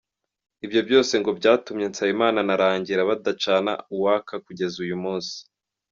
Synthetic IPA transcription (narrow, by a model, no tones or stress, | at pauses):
ibjo̞bjo̞ːse̞ŋɡo̞bɟaːtumɲe̞nt͡saimaːnanaɾaːɲɟiɾaβadat͡ʃana̰uwakakuɟe̞zujumuːnsi̥